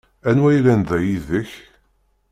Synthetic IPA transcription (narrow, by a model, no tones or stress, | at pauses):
ænwæjlænðæjiðəç